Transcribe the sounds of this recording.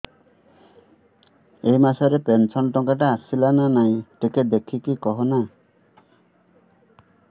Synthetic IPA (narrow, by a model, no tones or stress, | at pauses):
ejmasaɾepensɔnʈɔŋkaʈaːsilananaj̃ʈeked̪ekʰikikɔɦɔna